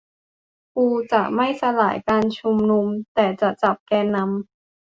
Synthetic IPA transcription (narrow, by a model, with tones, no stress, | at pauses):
puː˧t͡ɕa˨˩ʔma˥˩jsa˧laː˩˦jkaː˧nt͡ɕʰu˧mnu˧mt̪ɛː˨˩t͡ɕa˨˩t͡ɕa˨˩p̚kɛː˧nːa˧˥m